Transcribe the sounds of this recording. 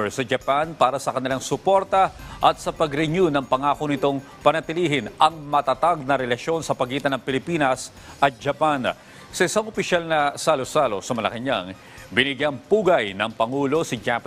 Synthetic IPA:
sɐd͡ʒɐpanpaːɾɐsɐkɐnɪlaŋsʊpo̞ɾt̪ɐʔɐt̪̚sɐpɐɡɾɛɲunɐŋpɐŋaːkonɪt̪oŋ | pɐnɐt̪ɪliːɦɪnʔɐŋmɐt̪at̪aɡ̚nɐɾɛlɐʃo̞nsɐpɐɡiːt̪ɐnɐŋpɪlɪpiːnɐs | ɐt̪̚d͡ʒɐpan | sɐʔɪsaŋopɪʃalnɐsalosalo̞̰sɐmɐlɐ̰kɐɲa̰ŋ | bɪnɪɡjɐŋpuːɡɐjnɐŋpɐŋuːlo̞sid͡ʒap

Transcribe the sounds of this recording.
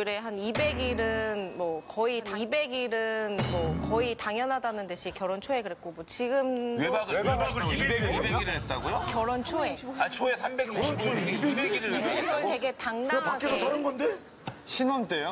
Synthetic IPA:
ɾe̞ɦanibe̞ɡiɾɯnmwʌkʌitaibe̞ɡiɾɯnmwʌkʌitaŋjʌnɦadanɯndɯɕʰikjʌɾʌnt͡ɕʰoe̞kɯɾe̞k͈omwot͡ɕiɡɯmwebaɡɯaɡɯiɡɡibeiɾɯɦet̚t͈aɡojokjʌɾʌnt͡ɕʰoeat͡ɕʰoesʰambe̞ɡiɕikueebeɡiɾɯweaɡʌɭte̞ɡe̞taŋnapaɡkːesʰsaɾɯnɡʌnde | ɕʰinʌnt͈ejo

